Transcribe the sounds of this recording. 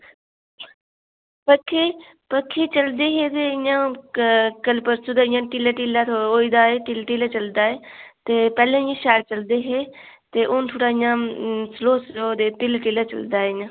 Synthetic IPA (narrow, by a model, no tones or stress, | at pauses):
pəkʰːe | pəkʰːeːt͡ʃəld̪eːɦet̪eɪjãː | kəlpəɾsud̪aɪ̃jãːʈɪlaʈilat̪ʰːoːid̪aːeːʈɪlʈilat͡ʃəld̪aːeːt̪epɛːlẽːɪjãːʃaːɽt͡ʃəld̪eːɦe | t̪eʔoːnt̪ʰoːɽaːɪjãːsloːsoːd̪eːpɪlʈɪlaːt͡ʃə̰ld̪aːeɪjãː